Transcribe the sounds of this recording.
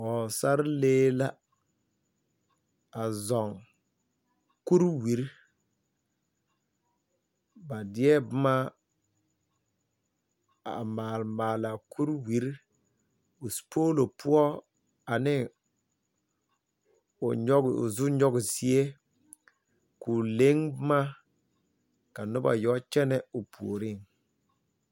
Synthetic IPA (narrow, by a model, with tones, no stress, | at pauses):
ɔ˨sa˦ɾleː˦la˦ | a˨zɔ˨ŋ | ku˦ɾwi˨ɾ | ba˨dɪ˦ɛ˦bʊ˦ma˦ | a̰˨maː˨lmaː˨la˨ku˦ɾwi˨˦ɾ | o˨su̥˨pʰoː˦lo˨pʰʊ˦ɔ˦ | a˨nɪ˦ | ʊ˨ɔ˦ɡ̰zʊ˦ɲɔ˦ɡɪ˨si˦e˦ | kuː˨le˦ŋbʊ˦ma˦ | ka˨nʊ˦ba̰˨jɔ˦t͡ʃɛ˦nɛ˦ʊ˨pʰṵ˨o˨ɾɪ˦˨ŋ